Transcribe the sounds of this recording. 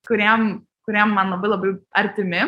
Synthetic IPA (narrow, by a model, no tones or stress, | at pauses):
kʊɾʲim | kʊɾʲiɛmːɐnlˠɐbɐɪlˠɐbɐɪɐɾʲt̪ʲɪmʲɪ